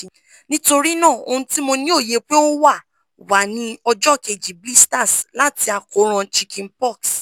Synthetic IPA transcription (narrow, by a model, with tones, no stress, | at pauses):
nĩ˦to˧ɾi˦nã˦˨o̰˧hũ˧ti˦mo˧nĩ˦o˦˨je˨˦k͡pe˦o˦wa˦˨ | wa˨nĩ˨˦ɔ˧d͡ʒɔ˦˨ke˨d͡ʒi˨bi˦sta˦˨sla˨˦ti˧a˧ko˨˦ɾ̃ã˧t͡ʃi˧kʰĩ˧npɔ˦˨ks